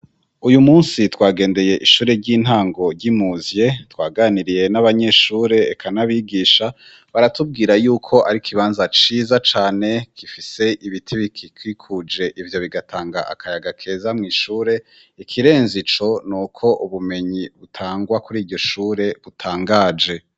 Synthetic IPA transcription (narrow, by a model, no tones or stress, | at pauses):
ujumuːnsitwaːɡe̞ːnde̞je̞ʔiʃuːɾe̞ɾɟiːn̥haːŋɡo̞ɾɟimuzje̞twaːɡaniɾije̞naβaɲe̞ʃuːɾe̞ːkʰanaβiɡiːʃa | βaɾatub̚ɡiːɾajuːkʰo̞ʔaɾikʰiβaːnzat͡ʃiːzat͡ʃaːne̞kifise̞ʔiβitʰiβikʰikwikʰud͡ʒe̞ʔivjo̞βiɡatʰaːŋɡa̰ʔa̰kʰajaɡakʰe̞ːzamŋiːʃuːɾe̞ | ikʰiɾe̞ːnzit͡ʃo̞nuːkʰo̞ʔuβume̞ɲiβutʰaːŋɡwakuɾiːɾɟo̞ʃuːɾe̞βutʰaːŋɡaːd͡ʒe̞